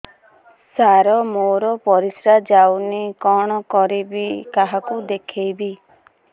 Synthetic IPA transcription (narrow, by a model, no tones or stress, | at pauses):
saɾɔmoɾɔpɔɾisɾad͡ʒawnikɔɽ̃ɔkɔɾibikaɦakud̪ekʰejbi